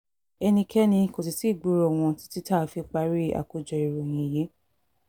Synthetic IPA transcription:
ɛ˧nĩ˧kʰɛ˦nĩ˧ko˨s̬i˨ti˦˨ɡ͡bu˦ɾɔ˦˨w̃ɔ̃˧ti̥˦ti˦ta˦˨˧fi˧k͡pa˧˦ɾi˦a̰˨ko˨d͡ʒɔ˨i˨ɾo˨j̃ĩ˨je˨˦

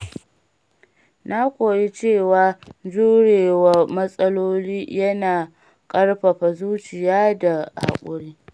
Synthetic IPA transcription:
na˦kʷoː˨ji˦t͡ʃeː˦˨waː˨d͡ʒuː˦ɽeː˨wa˨mɐ˦sʼɐ˦loː˦liː˦jɐ˦naː˨ | kʼɐ˦ɽɸa˨ɸa˨zuː˦t͡ʃɪ˨jaː˦da˨ha̰˨kʷʼʊ˦ɽiː˦

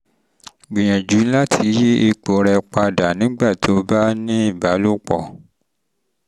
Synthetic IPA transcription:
ɡ͡bĩ˨j̃ɛ̃˨d͡ʒu˨˦la˦tʰi˧˦je˦e˧k͡po˨˦ɾɛ˧k͡pa˧da˨nĩ˨˦ɡ͡ba˦˨tʰo˨˦ba˦nĩ˦i˦˨ba˨˦lo˦k͡pɔ̰˦˨

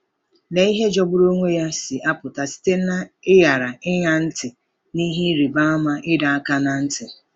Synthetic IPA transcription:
ne˨i˦ɦe˦d͡ʒɔ˦bʊ˦ɾo˦ŋʷe˦ja˦sɪ˨ʔa˦pʊ˨ta˨si̥˦te˦na˦ɪ˦ja˨ɾa˨ɪ˦ɲa˦n̩˦tɪ˨ | ni˦ɦi˦ɾi˨ba˦a˦ma˦ɪ˦da˨a˦ka˦na˨n̩˦tɪ˨

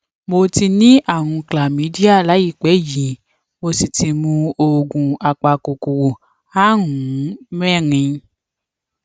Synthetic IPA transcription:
mo˧ti˧nĩ˦ʔa˦˨w̃ũ˧kla˨mĩ˨˦di˦a˦˨la˨˦ji˦˨k͡pɛ˨˦ji˨˦ | mo˧si˨ti˧mũ˧o˨ɡũ˨a˨k͡pa˨ko˨ko˨wo˨ | a˦ɦũ˨˦mɛ˦˨ɾĩ˧

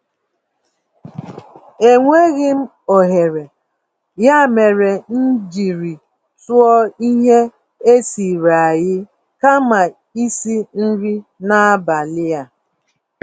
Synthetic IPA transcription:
e˦ŋʷe˦ɣɪ˦m̩˦ | o˨ɦe˨ɾe˨ | ja˦me˨ɾe˨n̩˦d͡ʒi˨ɾi˨ | tʊ˦ɔ˦i˦ɦe˦ | e˦si˨ɾa˨a˨jɪ˦ | ka˦ma˨ | i˦si˦n̩˦ɾi˦na˦ba˨lɪ˦ja˦

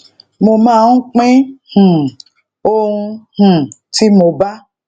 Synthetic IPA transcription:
mo˧mãː˦˨ũ˦k͡pẽ˦h̩˨ | o˦hũ˧h̩˨ti˦mo˧ba˦

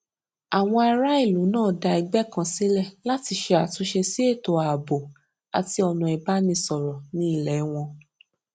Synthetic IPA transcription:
a˨w̃ɔ̃˧a˧ɾa˦i˦˨lu˨˦nãː˦˨da˧i˧ɡ͡bɛ˦˨kã˧si˨˦lɛ˦˨la˦ti˧ʃe˧a˨tũ˨˦ʃe˧si˦e˦˨to˨a˨bo˨ | a̰˨ti˧˦ɔ˧nũ˨˧ɛ˧ba˦nĩ˧sɔ˨ɾɔ˨nĩ˦i˦˨lɛ˨˦w̃ɔ̃˧

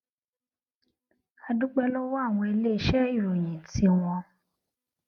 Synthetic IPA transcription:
a˧dũ˦k͡pɛ˦lɔ˦wɔ˦a˦˨w̃ɔ̃˧e˧le˦i˧˦ʃɛ˦i˦˨ɾo˨j̃ĩ˨tʰi˧˦w̃ɔ̃˧

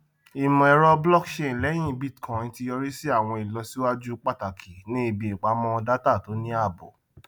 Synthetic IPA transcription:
i˨mɔ̃˨ɛ˨˧ɾɔ˧blɔ˦˨kʃẽ˦˨lɛ˨˦j̃ĩ˦˧bi˦˨tkʰã˨˦nĩ˨˧ti˧jɔ˧ɾi˦si˦a˦˨w̃ɔ̃˧i˨lɔ˧si˦wa˦d͡ʒu˦k͡pa˦˨ta˨kʰi˨nĩ˦i˧bi˨ĩ˨k͡pa˨˦mɔ̃˧˦ɔ˧da˦ta˦˨to˨˦nĩ˦a˦˨bo̰˨

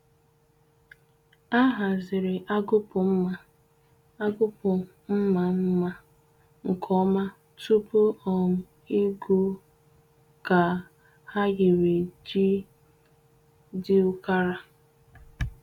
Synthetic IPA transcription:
a˦ɦa˨zɪ˨ɾɪ˨ʔa˦ɡʊ˦pʊ˨m̩˦ma˨ | a˦ɡʊ˦pʊ˨ | m̩˦ma˨m̩˦ma˦ | ŋ̩˨kʰɔ˦ma˦ | tu˦pʊ˦ɔ˨m̩˨ | i˦ɡu˦ | ka˨ | ha˦ɣɪ˨we˨d͡ʒi˦ | dɪ˦ʊ˦ka˦ɾa˦

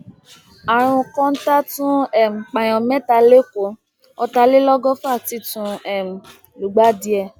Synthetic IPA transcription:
a˨ɾ̃ũ˧kɔ̃˦n̩˦ta˦tũ˦ɛ˦˨m̩˨k͡pã˨j̃ɔ̃˨mɛ̃˦ta˧le˦ko˨˦ | ɔ˧ta˧le˦lɔ˦ɡɔ˦fa˦˨ti˧˦tũ˧ɛ˨m̩˨ | lu˨ɡ͡ba˨˦di˧ɛ˧

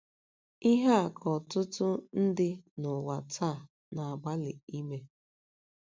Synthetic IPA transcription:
i˦ɦa˦˨kʰɔ˨tʊ˦tʊ˦n̩˦dɪ˦nʊ˨wa˨t͡sa˦˨ | na˨ba˦li˨i˦me˨

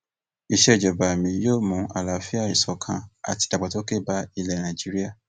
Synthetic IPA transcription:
i˨ʃɛ˧˨d͡ʒɔ˨ba˨mĩ˨˦joː˦˨mũ˨˧˦a̰˨la˨˦fi˦a˦˨i˨sɔ˨kʰã˧a̰˨ti̥˧da˨ɡ͡ba˨to˦ke˦˨ba˧˦i˧lɛ˨nã˨d͡ʒi˨˦ɾi˦a˦˨

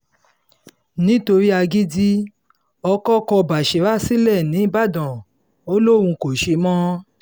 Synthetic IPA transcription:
nĩ˦to˧ɾi˦a˧ɡi˦di˦ | ɔ˧kɔ˦kɔ˧ba˨ʃe˨ɾa˦˨si˦lɛ˦˨nĩ˨˦i˦ba˦˨dɔ̃˨ | o˦lo˦˨wũ˧ko˨ʃe˧mɔ̃˦

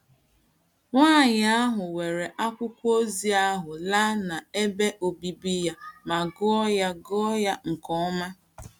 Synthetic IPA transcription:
ŋʷaː˦˨ɲ˨a˦ɦʊ˨we˨ɾe˨ʔa˦kʷʊ˦kʷo˦zi˦a˦ɦʊ˨la˦na˨e˦be˦ʔo˨bi˨bi˦ja˦ma˨ɡʊ˦ɔ˦ja˦ɡɔ˦ja˦ŋ̩˨kɔ˨˦ma˦

